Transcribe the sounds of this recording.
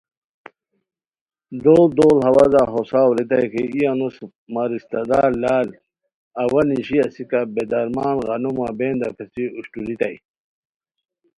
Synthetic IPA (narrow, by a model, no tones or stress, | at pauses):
d̪oːld̪oːlɦɐwazaɦosaːwɾit̪̬ajkeijanus | maɾist̪ɐd̪aːlːaːl | ɐwɐniɕiɐsikabed̪ɐɾmaːnɣɐnumabeːnd̪a̰pʰesiuɕʈuɾit̪aj